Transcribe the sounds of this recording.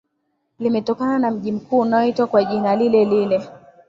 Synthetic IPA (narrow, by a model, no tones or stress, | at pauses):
limɛtɔkananam̩ʄim̩kuːunaɔitwakwaʄinalilɛlilɛ